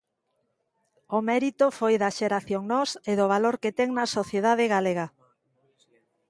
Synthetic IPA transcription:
omɛɾit̪ofojðaʃeɾaθjoŋnɔseðoβ̞aloɾket̪ɛŋnɐsoθjeðað̞eɣaleɣ̞a

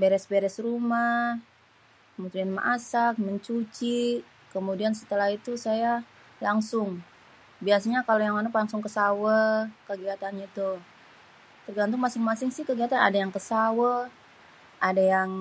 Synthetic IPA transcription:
beɾɛsbeɾɛsrumah | kəmut̪udianma̰ʔasak̚məɲt͡ʃut͡ʃi | kəmudiansə̥t̪əlahit̪usaja | laŋsʊŋ | biasaɲakalojaŋanuplaŋsʊŋkəsawəkəɡiat̪anɲat̪uh | t̪ərɡant̪̬ʊŋmasɪŋmasɪŋsɪhkəɡiat̪ana̰dajaŋkəsawə | ʔadajaŋ

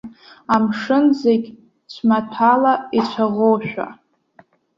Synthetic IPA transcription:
amʂɨnzeɡʲ | t͡ɕʷʰmatʰalait͡ɕʷʰaʁowʃᶣʷa̰

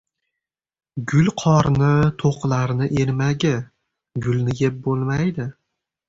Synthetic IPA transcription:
ɡʊlqʰɒɾnɪt̪ʰoqlˠaɾnɪʔeɾmaɡʲɪ | ɡʊlˠnɪjʲep̚bolˠmajd̪ɪ

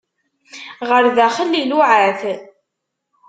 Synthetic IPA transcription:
ʁəɾðæχəlːiluʕaθ

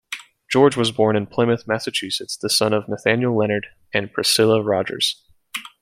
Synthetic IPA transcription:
d̥ʒ̥ɔɹd͡ʒwʌzbɔɹnɨ̃npʰl̥ɪ̃mɨθmæsɨt͡ʃʰʉsɨtsðɨsʌ̃nʌvnɨθæ̃njl̩ˠlɛñə˞ɾ | ɨ̃npʰɹ̥ɨsɪlˠəɹɑd͡ʒə̰˞z̥

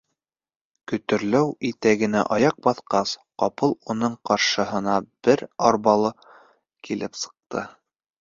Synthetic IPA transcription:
kɵ̆t̪ɵ̆ɾlæwit̪æɡɘ̆næ̰ʔɑjɑq̚bɑθqɑsqɑpɤlˠunɤɴqɑɾʃɤ̆ɦɤ̆nɑb̥ɘɾɑɾβɑlˠɤ | kʰilɘpsɤ̥̆q̚t̪ɤ̰

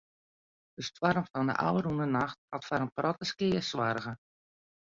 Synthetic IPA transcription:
dəstwarmfɔndə̰ʔa̰wərunənaxt̚atfaɾənprʔɔtəskɪəswarɣə

